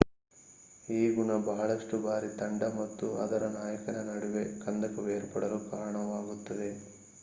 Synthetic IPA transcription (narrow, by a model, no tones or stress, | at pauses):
iːɡuɳɐbɐɦɐɭɐʂʈubaːɾit̪ɐɳɖɐmɐt̪ːuɐ̰d̪ɐɾɐnaːjɐkɐnɐnɐɽuʋekɐnd̪ɐkɐʋeːɾpɐɽɐlukaːɾɐɳɐʋaːɡut̪ːɐd̪e̞